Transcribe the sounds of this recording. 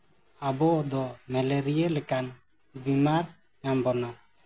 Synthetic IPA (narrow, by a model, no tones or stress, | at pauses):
abɔd̪ɔmɛlɛɾielɛkan | bimaɾ | ɲambɔna